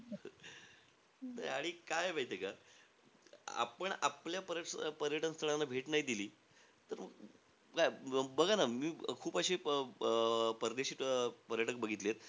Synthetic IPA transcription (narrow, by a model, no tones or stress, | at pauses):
na̰jaɽ̃ikajebʱait̪eka | a̰pəɳapljapəɾjəʈpəɾjəʈənst̪ʰəɭanːabʱeʈnaɦid̪iliː | t̪əɾməɡ | kajbəɡʱanamiːkʰuːpəɕiː | pəɾəd̪eɕiːt̪pəɾjəʈək̚bəɡʱit̪leet̪̚